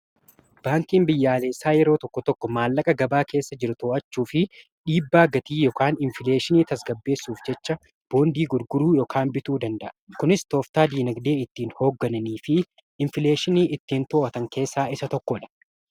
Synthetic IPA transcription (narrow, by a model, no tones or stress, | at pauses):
b̥aːŋkiːmbɪjːaːle̞ːsaːjɛɾo̞ːt̪ɔkːɔt̪ɔkːɔmaːlːɐkʼɐɡɐbaːkʰe̞ːsːɐd͡ʒɪɾʊt̪oːʔɐt͡ʃːuːfɪ | ᶑiːbːaːɡɐt̪iːjɔkaːnɪɱfɪle̞ːʃɪniːt̪ɐsɡɐbːe̞ːsːuːfd͡ʒɛt͡ʃːɐ | b̥o̞ːnd̪iːɡʊɾɡʊɾuːjɔkʰaːnbɪt̪uːd̪ɐnd̪ɐʔɐkʊnɪst̪o̞ːft̪aːd̪iːnɐɡd̪e̞ːɪt̪ːiːnho̞ːɡːɐnɐniːfɪ | ɪɱfɪle̞ːʃɪniːʔɪt̪ːiːnt̪oːʔɐt̪ɐŋke̞ːsːaːɪsɐt̪ɔkːɔᶑɐ̥